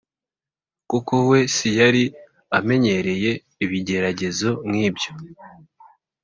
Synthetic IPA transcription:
kukowe̞sijaɾi | ame̞ɲe̞ɾe̞je̞ | iβiɟe̞ɾaɟe̞zo̞mŋiːbjo̞

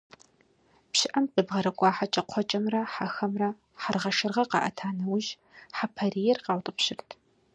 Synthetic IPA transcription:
pɕɪʔɐmqibʁɐɾɐkʷʼɑːħat͡ʃʼɐqʷʰɔt͡ʃʼɐmrɐħaxɐmrɐ | ħarʁɐʃɨrʁɐqɑ̰ːʔɐ̰tʰaːnɐwʒ | ħapʰɐrijɛrqɑːwtʼɨpɕɪrtʰ

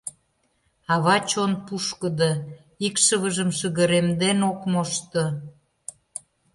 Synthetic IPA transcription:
ɑβɑt͡ɕonpuʃkəd̪ə | ikʃəβəʒəmʃəɣə̆ɾemd̪enokmoʃt̪ə̆

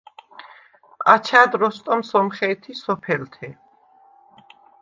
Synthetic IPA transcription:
at͡ʃʰad̪ɾɔst̪ʼɔmsɔmχɛːt̪ʰisɔpʰɛlt̪ʰɛ

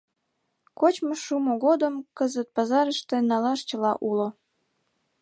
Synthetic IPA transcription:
kot͡ɕmoʃumoɣod̪əmkəzət̪̚pɑzɑɾəʃt̪ĕnɑlɑʃt͡ɕə̆lɑʔulo

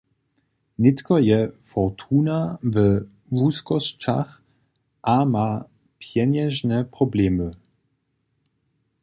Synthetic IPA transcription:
nɪt̪kɔjɛfɔʁt̪ʰuːnavə | vuskɔst͡ʃa̰x | ʔama | pʰjɛɲɛʒnɛpʁ̥ɔblɛːmə

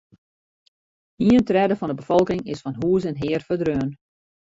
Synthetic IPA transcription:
iəntrɛdəvɔndəbəfɔlˠkɪŋɪsfɑnɦuːəs̬ɛnɦɪərfədrøːən

